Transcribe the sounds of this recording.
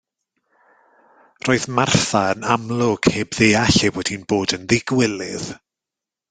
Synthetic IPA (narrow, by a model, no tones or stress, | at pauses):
roːɨðmarθaənamlˠʊɡ̥heːbðeːaɬevɛd̥inboːdənðɪɡwɪlɪð